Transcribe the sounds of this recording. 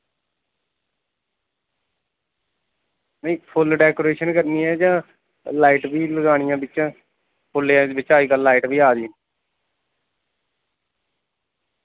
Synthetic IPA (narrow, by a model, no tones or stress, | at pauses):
nəĩːpʰʊlɖɛːkoːɾeːʃənkəɾniːɛːd͡ʒãː | laːiːʈbiːləɡaːɳ̃ɪjãːbɪt͡ʃãː | pʰʊlːeãːbɪt͡ʃaːiːkəlːaːiːʈbiːaːd̪iːn